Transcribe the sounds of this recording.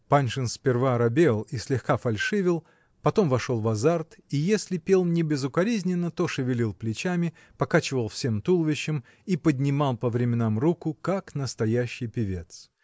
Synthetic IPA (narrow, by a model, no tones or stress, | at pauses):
panʲʂɨnsʲpʲɪrvaɾɐbʲelˠisʲlʲɪxkafɐlʲʂɨvʲɪlˠ | pɐt̪o̞mvɐʂo̞lˠvɐzart̪ijesʲlʲɪpʲe̞lˠnʲɪbʲɪzʊkɐɾʲizʲnʲɪnːət̪o̞ʂɨvʲɪlʲilˠplʲɪt͡ɕamʲɪ | pɐkat͡ɕɪvəlˠfsʲemt̪ulˠvʲɪɕːɪm | ipədʲnʲɪmalˠpəvɾʲɪmʲɪnamrukʊkaknəst̪ɐjæɕːɪjpʲɪvʲe̞t̪s